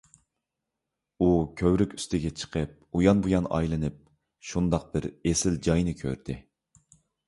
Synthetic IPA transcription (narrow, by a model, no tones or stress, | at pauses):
ukʲʰøwɾykʲy̥st̪ʰɪɡʲɛt͡ʃʰə̥qʰəp̚ujɑnbujɑnɑ̰jlˠɨnɨp̚ | ʃund̪ɑq̚bɪɾesɪld͡ʒɑjnɨkʲʰø̰ɾd̪̥ɪ